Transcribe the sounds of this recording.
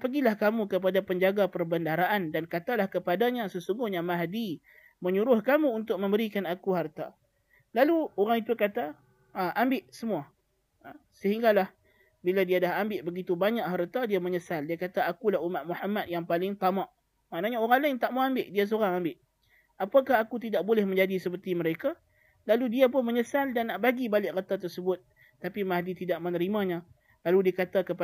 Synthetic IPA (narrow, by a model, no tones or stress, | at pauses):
pəɡilahkamukəpadapəɲd͡ʒaɡapərbəndaɾaʔandankat̪alahkəpadaɲasəsuŋɡʊhɲamaɦdi | məɲuɾʊhkamuunt̪ʊk̚mə̃mbəɾikanakuɦart̪a | laluoɾaŋit̪ukat̪a | əʔambɪʔsəmua | səɦiŋɡalah | biladiadaɦambɪʔbəɡit̪ubaɲaʔɦəɾət̪adiaməɲəsaldiakat̪aːkulahumat̪̚muhamat̪̚jaŋpalɪŋt̪amaʔ | maʔnaɲaoɾaŋlajŋt̪aʔmoambɪʔdias̬oɾaŋambɪʔ | apakaɦakut̪̬idaʔ̚bolɛhmə̃ɲd͡ʒadisəpərt̪iməɾeka | laludiap̬ʊnməɲəsaldanːaʔbaɡibalɪʔrət̪at̪̬ərsəbʊt̪̚ː | apimaɦdit̪idaʔ̚mənəɾimaɲã | laludiakat̪akəpa